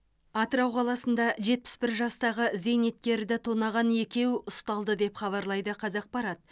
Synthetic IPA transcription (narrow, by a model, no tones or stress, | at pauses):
ɑt̪əɾɑwqʰɑlˠɑsənd̪ɑʒe̞t̪̚pɪ̥sbɪɾʒɑst̪ɑʁəzejne̞t̪̚kʲe̞ɾd̪ɪt̪ʰo̞nɑʁɑne̞kʲe̞wʊst̪ɑlˠd̪əd̪e̞pχɑβɑɾlˠɑjd̪əqʰɑzɑq̚pɑɾɑt̪̚